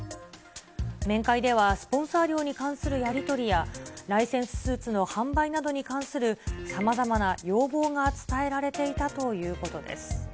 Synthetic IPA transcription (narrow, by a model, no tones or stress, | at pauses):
mẽ̞ŋkaid̪e̞β̞asɨ̥põ̞ɰ̃saːɾʲo̞ːɲ̟ikãɰ̃sɨɾɯ̟jaɾʲit̪o̞ɾʲijaɾaisẽɰ̃sɨ̥sɨːt͡sɨno̞hãmbainad̪o̞ɲ̟ikãɰ̃sɨɾɯ̟samazamanajo̞ːbo̞ːŋat͡sɨ̥t̪ae̞ɾaɾe̞t̪e̞it̪at̪o̞jɯ̟ːko̞t̪o̞d̪e̞̰sɨ̥